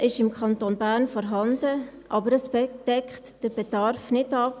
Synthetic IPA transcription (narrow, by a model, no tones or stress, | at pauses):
ɪʃɪmkʰχɑntoːnbæːɾnfɔɾɦɑndəʔɑbəɾəsbɛd̥ɛkχtd̥əɾb̥ɛd̥ɑɾfnɪdɑp